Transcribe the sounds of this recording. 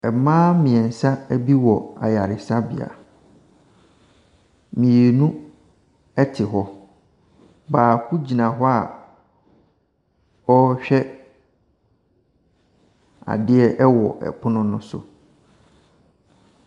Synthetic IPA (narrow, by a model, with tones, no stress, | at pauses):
ɛ˨mãː˦mɪ̃˨ɛ̃˨n̩˨sa˦æ˦bi˦wɔ˨a̰˨ja˨ɾɪ˨sa˦bɪ̰˨a̰˨ | mĩ˨e˨nũ˦ | ɛ˦tʰɪ˨ɦɔ˦ | baː˨kʰu˦d͡ʑi˨nã˨ɦɔ˦a˨ | ɔ˦ɕᶣɛ˦ | a̰˨dɪ˦ɛ˦ʔɛ˦wɔ̰˨ʔɛ̰˨pʰʊ˦nʊ̃˦nʊ̃˦sʊ̰˨